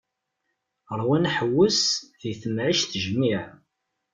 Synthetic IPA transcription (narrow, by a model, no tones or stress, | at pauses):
ɾˤwænħəwːəsðiθəmʕiʃθəʒmiʕ